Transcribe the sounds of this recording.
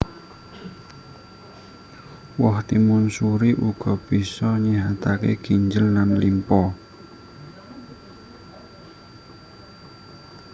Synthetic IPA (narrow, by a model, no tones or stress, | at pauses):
wɔht̪imʊnsuɾiʔuɡ̥ɔb̥isɔɲiɦat̪akḛɡ̥iɲd͡ʒəlːanlimpɔ